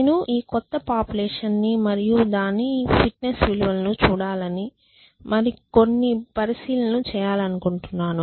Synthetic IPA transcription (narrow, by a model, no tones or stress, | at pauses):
nuʔiːkɔt̪ːɐpaːpjulɛːʂɐnːimɐɾijud̪aːnːipʰiʈnesʋiluʋɐlɐnut͡ʃuːɽaːlɐni | mɐɾiko̞nːipɐɾisiːlɐnut͡ʃɛːjaːlɐnukuɳʈunːaːnu